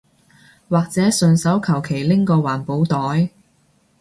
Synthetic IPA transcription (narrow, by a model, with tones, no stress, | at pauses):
waː˨k̚t͡sɛː˨˥sɵ˨˧nsɐ˨˥wkʰɐ˨˩wkʰe˨˩jlɪ˥ŋkɔː˧waː˨˩npo˨˥wt̪ɔː˨˥j